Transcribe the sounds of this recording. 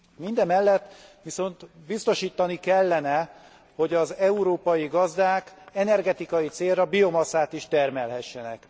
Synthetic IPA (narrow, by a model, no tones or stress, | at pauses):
mind̪ɛmɛlːɛt̪ːʋiso̞nt̪bist̪o̞ʃiːt̪ːɒnikɛlːɛnɛ | ho̞ɟɒzɛuɾoːpɒjiɡɒzd̪aːkɛnɛrɡɛt̪ikɒjit̪seːrɒbio̞mɒsaːt̪iʃt̪ɛrmɛlɦɛʃːɛnɛ̰k